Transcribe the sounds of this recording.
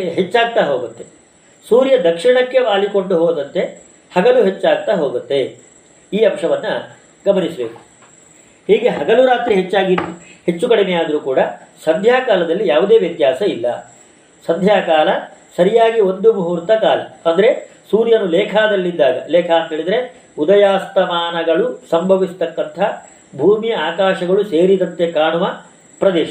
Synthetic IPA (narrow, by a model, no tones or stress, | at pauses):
ɦet͡ʃːaːɡ̚t̪aɦo̞ːɡut̪t̪ːe̞ | suːɾjɐd̪ɐkʂiɳɐkːe̞ʋaːliko̞ɳɖuɦoːd̪ɐnt̪e̞ | hɐɡɐluɦe̞t͡ʃːaːɡ̚t̪aɦo̞ːɡut̪ːe̞ | iːɐmʂɐʋɐnːɐ | ɡɐmɐnisɐbeːku̥ | hiːɡe̞ɦɐɡɐluɾaːt̪ɾiɦet͡ʃːaːɡihe̞t͡ʃːukɐɽinejaːd̪ɐɾuːkuːɽɐsɐd̪ʱjaːkaːlɐd̪ɐlːijaːʋud̪e̞ːʋjɐt̪jaːsɐilːɐ̰ | sɐd̪ʱjaːkaːlɐsɐɾijaːɡio̞nd̪umuɦuːɾt̪ɐkaːlɐɐnd̪ɐɾe̞suːɾjɐnulɛːkʰaːd̪ɐlːid̪ːaːɡɐ̰lɛːkʰaɐnt̪eːɭid̪ɐɾe̞ | ud̪ɐjaːst̪ɐmaːnɐɡɐɭusɐmbʱɐʋisu̥t̪ɐkːɐnt̪ʰɐ | bʱuːmijɐaːkaːʂɐɡɐɭuse̞ːɾid̪ɐnt̪e̞kaːɳuʋɐ | pɾɐd̪ɛːʃɐ